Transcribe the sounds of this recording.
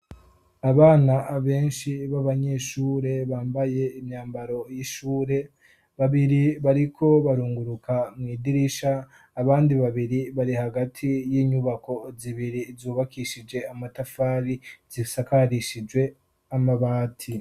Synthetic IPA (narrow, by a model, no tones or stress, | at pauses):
aβaːnaβe̞ːnʃiβaβaɲe̞ʃuːɾe̞βaːmbaje̞imɲaːmbaɾo̞jiʃuːɾe̞ | βaβiɾiβaɾikʰo̞βaɾuːŋɡuɾukʰamŋiːdiɾiʃaː | βaːndiβaβiɾiβaɾihaɡatʰijiːɲuβako̞ziβiɾizuːβakiʃid͡ʒe̞amatafaːɾizisakaɾiʃid͡ʒwe̞ | amaβaːtʰi